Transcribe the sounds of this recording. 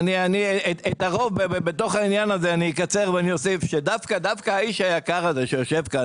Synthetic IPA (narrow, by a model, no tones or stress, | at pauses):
nianieetaʁo̞vbebebeto̞χainjanazeaniikat͡se̞ʁveanio̞sifʃedafkad̪afkaːiʃajakaʁazeʃejo̞ʃe̞vka